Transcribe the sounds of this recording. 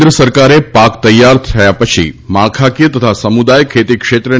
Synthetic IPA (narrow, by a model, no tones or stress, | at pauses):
d̪ɾəsəɾkaɾepakt̪əjːaɾt̪ʰəjapət͡ʃʰḭmaɭkʰakijət̪ət̪ʰasəmud̪ajkʰːet̪ikʃet̪ɾə